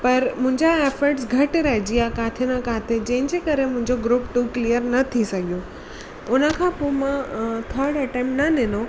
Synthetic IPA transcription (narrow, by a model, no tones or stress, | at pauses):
pɐɾmʊ̃ɦɪ̃ɲd͡ʑaeːfəɾʈsɡʱɐʈɾɐɦɪd͡ʑiakaːt̪ʰenãkaːt̪ʰed͡ʑɐ̃ɦɪ̃ɲd͡ʑeːkɐɾemʊ̃ɦɪ̃ɲd͡ʑoɡɾuːpʈuklijəɾnɐt̪ʰisɐɡʱijo | ʊnə̆kʰãːpoːmãt̪ʰəɾɽɐʈẽːmʈnɐnɪno